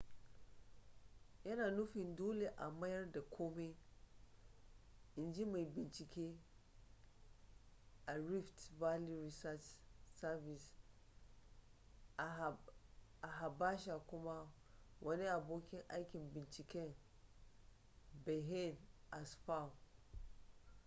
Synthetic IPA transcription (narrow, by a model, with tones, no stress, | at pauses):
jɐ˦naː˨nu˦fi˨ndoː˦le˨ʔa˨ma˦jɐ˦rda˨kʷʰoː˦me˦ | i˨nd͡ʒi˦ma˨bi˨nt͡ʃi˨kʲe˦ | ʔa˨ɾi˦ftva˦li˦ɾi˨sa˦t͡ʃsa˦vi˨s | a˨ɦa˨ba˦ʃa˨kʷu˦ma˦ | wʔa˦ne˦a˨boː˦kʲi˦ŋʔa˦jkʲi˨nbi˨nt͡ʃi˨kʲe˦˨n | be˨ɦe˦˨nʔa˨sɸa˦˨w